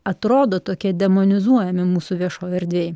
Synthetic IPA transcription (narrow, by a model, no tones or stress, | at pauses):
ɐt̪ɾoːd̪oːt̪oːkʲiɛd̪ʲɛmonʲɪzuɔjɛmʲɪmuːsuʋʲiɛʃoːjɛɾʲd̪ʲʋʲeːj